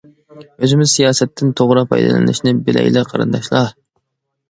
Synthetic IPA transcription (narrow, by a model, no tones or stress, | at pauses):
øzɪmɪzsijɑːsɛt̪ʰːɪnt̪ʰoʁɾɑpʰɑ̰jd̪ɨ̰lɛ̰nɪ̰ʃnɪbɪlɛ̰jlɛqʰɑɾɨ̰nd̪ɑʃlˠɑ